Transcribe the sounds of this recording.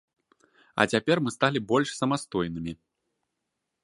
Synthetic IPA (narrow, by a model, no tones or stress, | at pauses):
ɐ̰t͡sʲapʲɛrmɨst̪alʲibɔlʲʂsɐmast̪ɔjnɨmʲi